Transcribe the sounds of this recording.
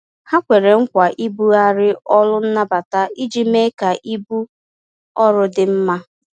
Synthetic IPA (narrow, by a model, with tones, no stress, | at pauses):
ha˦kʷe˨ɾe˨ŋ̩˦kʷa˨ʔi˦bu˦a˦ɾɪ˦ɔ˦lʊ˦n̩˦na˦ba˨ta˦i˦d͡ʒi˦me˦ka˨ʔi˦bu˦ | ɔ˦ɾʊ˦dɪ˨m̩˦ma˦